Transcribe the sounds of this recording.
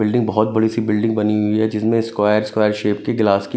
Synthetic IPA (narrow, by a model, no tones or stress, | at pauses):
ɪlɖɪ̃ŋɡ̚bɐɦɔt̪̚bɐɽisibɪlɖɪ̃ŋɡbɐniɦʊiɦɛd͡ʒɪsmẽskwaːjəɾskwaːjəɾʃeːp̚keɡlaːski